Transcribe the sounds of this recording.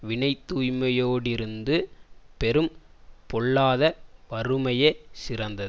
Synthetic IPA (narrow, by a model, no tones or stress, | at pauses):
ʋɪɳɐɪt̪ːuːjmɐjoːɽɪɾɯnd̪ɯpɛɾɯm | pɔɭːaːðɐʋɐɾɯmɐjesɪrɐnd̪ɐð